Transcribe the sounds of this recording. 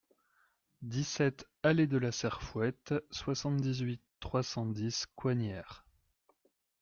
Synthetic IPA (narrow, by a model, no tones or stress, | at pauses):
d̪isɛt̪ | aled̪əlasɛʁfwɛt̪swasɑ̃t̪d̪izɥit̪ːχwasɑ̃d̪iskwanɛːʁ